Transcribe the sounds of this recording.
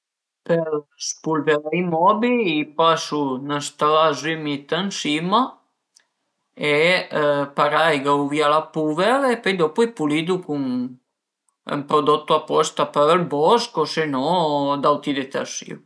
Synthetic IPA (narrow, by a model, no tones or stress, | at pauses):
pəɾspulveɾaimɔbiipasunəst̪alazymit̪ənsima | e | paɾajɡawvialapuvɛɾepɛjd̪ɔpuipulid̪ukuŋ | ə̰mpɾod̪ɔt̪ːuapɔst̪apəɾəlbɔskosenɔd̪awt̪id̪et̪a̰sḭw